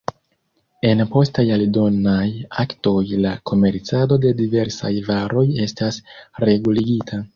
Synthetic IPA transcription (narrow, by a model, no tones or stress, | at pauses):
e̞npo̞stajaldo̞najakto̞jlakʰo̞me̞ɾt͡sado̞de̞dive̞ɾsa̰jvaɾo̞je̞stasɾe̞ɡuliɡitʰa